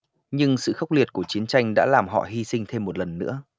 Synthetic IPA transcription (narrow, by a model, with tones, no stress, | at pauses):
ɲɨ˧ŋsɨ̰˧˨xə˦˥k͡p̚li˨˩ət̚ku˧˩ət͡ɕi˨˦ənt͡ɕa˧jŋ̟ɗa̰ː˧˥laː˨˩mɦɔ̰˧˨ɦi˧sï˧ŋ̟t̪ʰe˧mːo˨˩t̚lə˨˩nːɨ̰˧˥ə